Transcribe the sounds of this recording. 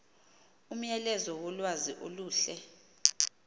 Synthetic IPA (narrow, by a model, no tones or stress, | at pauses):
um̩jɛlɛzɔwɔlwaziʔoluːɬɛ